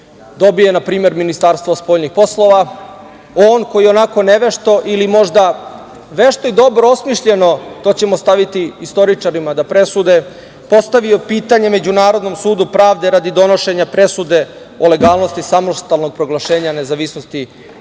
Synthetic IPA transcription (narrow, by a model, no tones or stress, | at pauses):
d̪o̞bije̞napɾiːme̞ɾminist̪aːɾst̪ʋospo̞ːʎnixpo̞slˠo̞ʋa | oːnko̞jionako̞neʋeʃt̪o̞ʔilimo̞ʒd̪a | ʋeʃt̪oid̪o̞bɾoosmiʃʎe̞no̞t̪o̞t͡ɕe̞most̪aʋit̪iːst̪o̞ɾit͡ʂaɾimad̪apɾe̞sud̪e̞ | po̞st̪aʋio̞piːt̪aɲe̞me̞d͡ʑunaːɾo̞d̪no̞msuːd̪upɾaːʋd̪e̞ɾad̪id̪o̞no̞ʃe̞ɲapɾe̞sud̪e̞ | ole̞ɡaːlˠno̞st̪isamo̞ʃt̪alno̞ɡ̚pɾo̞ɡlˠaʃe̞ːɲane̞zaʋisnost̪i